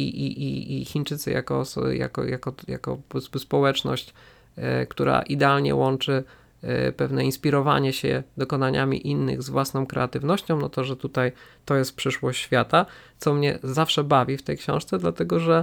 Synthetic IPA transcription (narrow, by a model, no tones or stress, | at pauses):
ḭʔiʔiixʲint͡ʂɘt̪sɨ̰ja̰kɔ̰sja̰kɔ̰ja̰kɔja̰kɔ̰ɔsuspɔwɛt͡ʂnɔ̰ɕt͡ɕ | kt̪uɾa̰ʔid̪ɛalɲɛ̰wɔnt͡ʂɘ | pɛvnɛinspʲiɾɔva̰ɲɛɕɛ̰d̪ɔkɔnaɲamʲḭʔinːɘ̰ɣzvwasnɔ̃w̃kɾɛat̪ɘvnɔɕt͡ɕɔ̃w̃nɔt̪ɔʐɛt̪ut̪aj | t̪ɔjɛst̪̚pʂɘʂwɔɕt͡ɕɕfʲjat̪at̪sɔmɲɛ̰zafʂɛbavʲift̪ɛjkɕɔ̰̃w̃ʂt̪sɛd̪lat̪ɛɡɔʐɛ